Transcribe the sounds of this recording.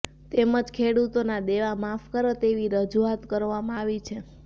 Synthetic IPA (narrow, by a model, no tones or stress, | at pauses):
t̪eməd͡ʒkʰeɽut̪onad̪eʋamafkəɾət̪eʋiɾəd͡ʒuat̪kəɾʋamãaʋit͡ʃʰe